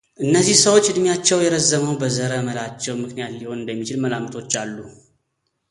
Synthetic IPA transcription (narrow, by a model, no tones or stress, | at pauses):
ʔɨnːəzːihsəwot͡ʃːɨd̪mijat͡ʃːɛwjɛɾəzːəməwbəzəɾəməlat͡ʃːɛwmɨknijat̪liho̞nɨnd̪əmːit͡ʃɪlməlamt̪ʰo̞t͡ʃːalːu